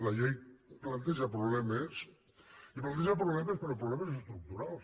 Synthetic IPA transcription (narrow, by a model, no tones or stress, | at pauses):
laʎejplant̪eʒapɾuβlɛmes | iplant̪eʒapɾuβlɛmespeɾɔpɾuβlɛmezest̪ɾuk̚t̪uɾalˠs